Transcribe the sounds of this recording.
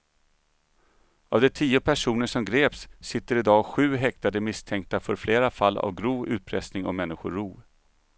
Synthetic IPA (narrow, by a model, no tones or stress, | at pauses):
avd̪ɛt̪ʰiːʊpʰæʂuːnəʂɔmɡɾeːpsːɪt̪ːəɾɪd̪ɑːɧʉ̟ːɦɛkt̪ad̪əmɪst̪ʰɛŋk̚t̪afœɾfleːɾafalːa̰vɡɾuːvʉ̟ːt̪̚pʰɾɛsnɪŋɔ̰mɛnːɪɧʊɾuː